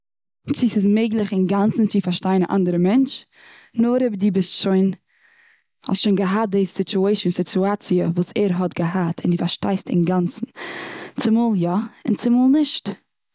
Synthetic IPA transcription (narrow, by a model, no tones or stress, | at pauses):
t͡sɪsɪs̬meɪɡlˠɪχɪnɡant͡sn̩t͡sɪfaɾʃtaɪəna̰ʔa̰ndəɾəmɛnt͡ʃ | nɔɾɛbdiːbɪstʃoɪn | hɔ̰stʃoɪnɡəɦat̚desɪt͡ʃueɪʃənsɪtuat͡siəvuːsɛɾɦɔtɡəɦatʰɪndɪfaɾʃtaɪstɪ̰nɡant͡sn̩t͡sɪmuːlˠjaɪnt͡sɪmuːlˠnɪʃt